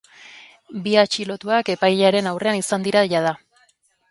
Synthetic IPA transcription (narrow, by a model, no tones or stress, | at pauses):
biat͡ʃilo̞t̪uake̞pajʎaɾe̞nawre̞anisand̪iɾaʎað̞a